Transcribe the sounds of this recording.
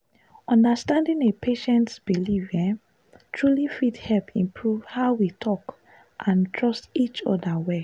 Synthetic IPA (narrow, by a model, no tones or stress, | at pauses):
ɔ̃ndəstãndĩnepʰeʃɛ̃ntsb̥iliva | tʰɹulifithɛlpʰĩmpʰɹuv̥haʊwitʰɔk | ʔãntʰɹɔstit͡ʃɔ̰dawɛ